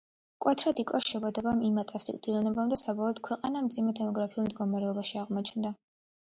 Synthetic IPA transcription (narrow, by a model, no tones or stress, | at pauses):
kʼwɛt̪ʰɾad̪ikʼɔsʃɛbad̪ɛbamimat̪ʼasḭkʼd̪̥ilɛnɛbamd̪asabɔlˠɔd̪̥̚kʰwɛqʼanamd̪zimɛt̪ʰɛmɔɡɾapʰiulˠmd̪ɡɔmaɾɛɔbaʃiaʁmɔt͡ʃʰnd̪a